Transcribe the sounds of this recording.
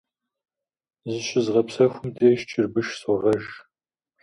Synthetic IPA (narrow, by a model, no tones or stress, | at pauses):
zɨɕɪzʁɐpsɐxʷʊmdʰeːʃt͡ʃʰʼɪrbɨʃsɔʁɐʒ